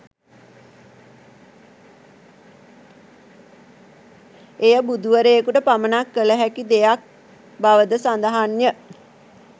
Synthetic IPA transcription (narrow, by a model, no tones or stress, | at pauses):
ejəbud̪uʋəɾejəkuʈəpamənakːələɦækid̪ejak̚ | baʋəd̪əsand̪əɦanjə